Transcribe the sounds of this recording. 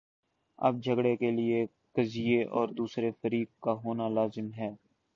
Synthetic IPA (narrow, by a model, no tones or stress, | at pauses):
ɐ̰b̚d͡ʒʱəɡɽekelɪe | kɐzieʔɔ̰ːɾd̪uːsɾefəɾiːkːaɦoːnalaːzɪmɦɛː